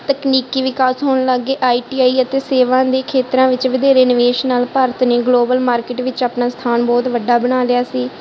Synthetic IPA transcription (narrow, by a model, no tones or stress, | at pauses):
t̪əkniːkiːʋɪkaːsɦoːɳləɡːeːʔaːiːʈiːaːiːət̪eːseːʋãːd̪eːkʰeːt̪ɾãːʋɪt͡ʃʋəd̪eːɾeːnʋeːʃnaːlpəɾət̪neːɡloːbəlmaːɾkɪʈʋɪt͡ʃaːpnaːst̪ʰaːnbɔːt̪ʋəɖːaːbəɽaːlɪjaːsiː